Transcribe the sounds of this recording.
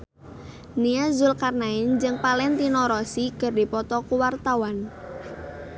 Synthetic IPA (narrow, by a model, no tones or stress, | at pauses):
niazʊlkarnaɪnd͡ʒɨŋpalɛnt̪inɔɾɔsiɡ̥ərdi̤pɔt̪ɔkuwart̪awan